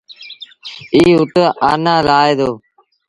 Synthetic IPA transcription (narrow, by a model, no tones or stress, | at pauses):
iːʊt̪əʔaːnaːlaːeːd̪oː